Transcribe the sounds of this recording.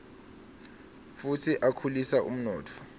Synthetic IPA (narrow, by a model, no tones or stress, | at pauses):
futʰiʔakʰulisaʔṵm̩nɔːtʰɔ̥